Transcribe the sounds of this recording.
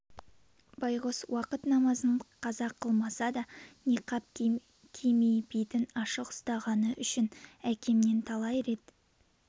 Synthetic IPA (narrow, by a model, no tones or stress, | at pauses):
bɑjʁoswɑqət̪nɑmɑzəɴqʰɑzɑqʰːəlˠmɑsɑd̪ɑneqʰɑp̚ | kʲʰemejbejt̪ɪnɑʃəqʊ̥st̪ɑʁɑnəʔʏʃɪnækʲʰe̞mne̞nt̪ʰɑlˠɑjɾe̞t̪